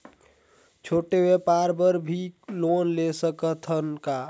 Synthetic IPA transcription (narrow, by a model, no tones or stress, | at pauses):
t͡ʃʰoːʈewepaɾbəɾbʱilonlesəkət̪ʰənka